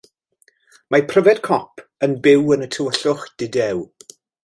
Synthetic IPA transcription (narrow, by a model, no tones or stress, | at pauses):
mapʰrəvɛdkʰɔpʰənbɪwənətʰəwəɬʊχd̥ɪdɛw